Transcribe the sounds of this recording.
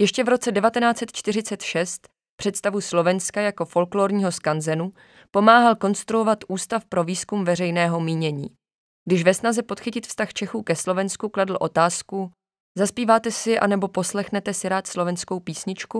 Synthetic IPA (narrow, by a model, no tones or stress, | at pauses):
jɛʃcɛvɾo̞t͡sɛdɛvat̪ɛnaːt͡sɛt̪t͡ʃt̪ɪrɪt͡sɛt̪ʃɛst̪ | pr̝̥ɛt̪st̪avuslo̞vɛnskajako̞fo̞lkloːɾɲiːɦo̞skanzɛnu | po̞maːɦalko̞nst̪ɾuo̞vat̪ʔuːst̪afpɾo̞viːskumvɛrɛjnɛːɦo̞miːɲɛɲḭː | ɡdɪʃvɛsnazɛpo̞t̪xɪcɪt̪fst̪axt͡ʃɛxuːkɛslo̞vɛnskukladl̩ʔo̞t̪aːsku | zaspiːvaːt̪ɛsɪʔa̰nɛbo̞po̞slɛxnɛt̪ɛsɪɾaːt̪slo̞vɛnsko̞wpiːsɲɪt͡ʃku